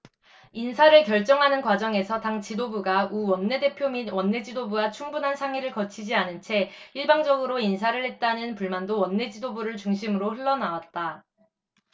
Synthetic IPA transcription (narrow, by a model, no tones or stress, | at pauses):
insʰaɾɯɭkjʌɭt͡ɕ͈ʌŋɦanɯnkwad͡ʑʌŋe̞sʰʌtaŋt͡ɕidobuɡauwʌnːe̞de̞pʰjominwʌnːe̞d͡ʑidobuɡat͡ɕʰuŋbunɦansʰaŋiɾɯɭkʌt͡ɕʰid͡ʑianɯnt͡ɕʰe̞iɭbaŋd͡ʑʌɡɯɾoinsʰaɾɯɭhe̞t̚t͈anɯnpuɭmandowʌnːe̞d͡ʑidobuɾɯɭt͡ɕuŋɕʰimɯɾohɯɭːʌnawat̚t͈a